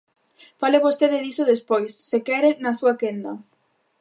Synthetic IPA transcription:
faleβost̪eðɪðisoðespojsːekɛɾenɐsuɐkend̪ɐ

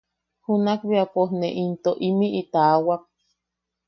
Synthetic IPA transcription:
hunakβiapohneʔint̪oʔimiʔit̪awak̚

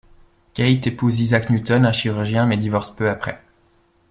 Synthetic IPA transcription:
kʲait̪epuzizaknjut̪ɔnɛ̃ʃiʁyʁʒjɛ̃mɛd̪ivɔʁspøapχɛ

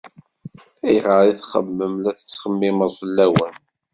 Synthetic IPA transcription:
æjʁəɾˤiθχə̰mːəmlæθə̥t͡sːχəmːɪməzˤəlːæwən

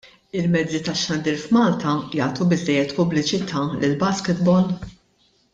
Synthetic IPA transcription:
ɪlmɛd͡zːit̪ɐʃːɐnd̪iːɾfmɐːlt̪ɐjɐːt̪ubɪzːɛjːɛt̪pʊblɪt͡ʃɪt̪ʰɐːlɪlbɐskɪt̪bɔl

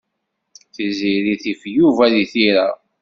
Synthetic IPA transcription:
θiziɾiθifjuvæðiθiɾa

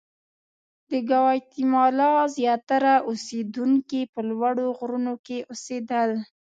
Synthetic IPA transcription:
d̪əɡawɑjt̪imɑlɑzjɑt̪aɾaʔused̪uŋkepəlwaɽoɣɾunokeʔosed̪əl

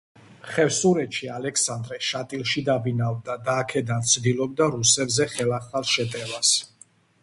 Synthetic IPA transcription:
χɛvsuɾɛt̪ʃialɛksand̪ɾɛʃat̪ʼilˠʃid̪abinavd̪ad̪aːkʰɛd̪ant̪sʰd̪ilˠɔb̚d̪aɾusɛbzɛχɛlaχalˠʃɛt̪ʼɛvas

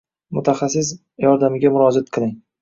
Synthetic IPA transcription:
mʊt̪ʰaχasːɪs̬ | jɒɾd̪amɪɡʲamʊɾɒd͡ʒat̪̚qʰɨlˠɪŋ

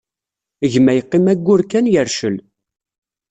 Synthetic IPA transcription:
əʝmæjəqːɪmæɡʷːʊɾkːænjəɾʃəl

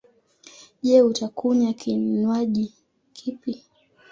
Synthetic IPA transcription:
ʄɛutakuɲakʰinwaʄi | kʰipi

